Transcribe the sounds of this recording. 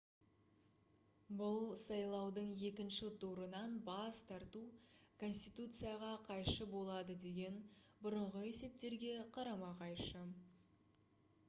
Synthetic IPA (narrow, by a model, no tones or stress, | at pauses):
bʊlˠsɑjlˠɑwd̪əɴje̞kʲɪnʃɪt̪ʰuɾənɑnbɑst̪ʰɑɾt̪ukʰo̞nsʲt̪ijt̪ut̪sɨjaʁɑqʰɑjʃəbo̞lˠɑd̪əd̪e̞ɡʲe̞nbʊɾəɴʁəe̞se̞p̚t̪e̞ɾɡʲe̞qʰɑɾɑmɑqɑjʃə